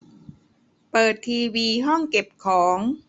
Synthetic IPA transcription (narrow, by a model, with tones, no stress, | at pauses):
pɤː˨˩t̪ʰːiː˧wiː˧ɦɔ˥˩ŋke˨˩p̚kʰɔː˩˦ŋ